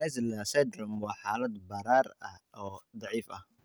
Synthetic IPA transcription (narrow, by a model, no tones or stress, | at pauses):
ɛslɐsɛd̪rɔmwɑːħɑːlɐd̪bɐɾaːrɐ̰hɔːd̪ɑʕiːfʔɐ̰h